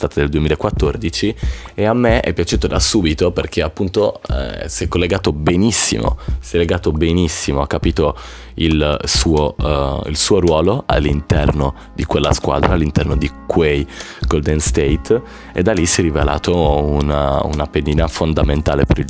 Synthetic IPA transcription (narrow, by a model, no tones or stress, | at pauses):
st̪aːt̪ad̪eld̪uemiːlaekːwat̪ːord̪it͡ʃieamːeɛ̰pːjat͡ʃuːt̪od̪asuːbit̪operk̟ʰeapːunt̪oɛ̰siɛkːolːeɡaːt̪obenisːḭmo̰siɛlːeɡaːt̪obenisːimoakːapiːt̪o | ilsuːoḭlsuːoɾwɔːloa̰lːint̪ɛrno | d̪ikwelːa̰skwa̰ːd̪ɾalːint̪ɛrnod̪ikʰwejɡold̪enst̪ejt̪ | ḛd̪ːalisjɛrivela̰ːt̪ʰounṵnapediːnafond̪ament̪aːlepeɾi